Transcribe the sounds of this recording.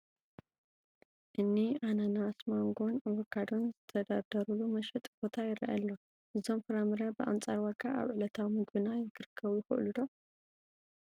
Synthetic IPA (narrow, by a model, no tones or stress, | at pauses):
ʔɨnːiʔananasmaŋɡonawɐkʰːad̪onzɨt̪ʰɐd̪ad̪ɐɾulumɐʃɛt̪ʼbot̪ʰajɪɾa̰ʔɛlːo̞ | ʔɨzo̞mfɨɾamɨɾɐbɨʔa̰nt͡sʼaɾwɐkʰʼaʔa̰βʕɨlɐt̪ʰawimɨɡbɨnajɪɡɨɾɨkʰːɐβujɪxɨ̰ʔlud̪o̞